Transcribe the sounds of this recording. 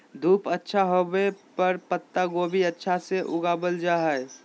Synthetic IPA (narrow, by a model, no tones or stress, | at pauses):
d̪ʱuːpətːʃʰaɦobepəɾpət̪ːaɡobʱiətːʃʰaseʔʊɡaːbəld͡ʒaːɦɛe